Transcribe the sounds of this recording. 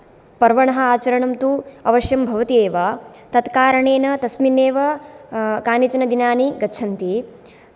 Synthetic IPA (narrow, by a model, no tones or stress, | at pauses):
pɐɾʋɐɳɐɦɐaːt͡ʃɐɾɐɳɐmt̪uɐʋɐʃjɐmbʱɐʋɐt̪ieːʋaːt̪ɐt̪kaːɾɐɳeːnɐt̪ɐsmineːʋɐ | kaːnit͡ʃɐnɐd̪inaːniɡɐtːt͡ʃʰɐnt̪i